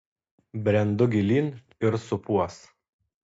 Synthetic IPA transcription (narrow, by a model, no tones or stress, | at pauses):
bʲɾʲɛnd̪ʊɡʲɪlʲiːn | ɪɾsʊpuɔs